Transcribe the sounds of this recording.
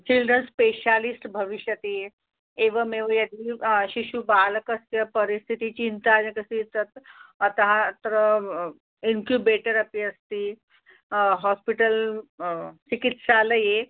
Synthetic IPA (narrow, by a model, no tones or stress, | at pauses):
t͡ɕilɖɾənspeɕalisʈbʱəʋiɕjət̪eje | eʋəmeʋəjad̪iɕiɕubaləkəsjəpəɾist̪ʰit̪it͡ɕint̪ad͡ʑakəsit͡sət̪ət̪əɦãt̪əɾə | iŋkjubeʈəɾəpiəst̪i | ɦɔspiʈəl | t͡ɕikit̪saləje